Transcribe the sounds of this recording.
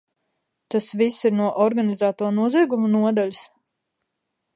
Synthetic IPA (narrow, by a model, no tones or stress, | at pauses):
t̪asvisːiɾnuɔʔɔɾɡanizaːt̪uɔnuɔziːɡumunuɔd̪alʲs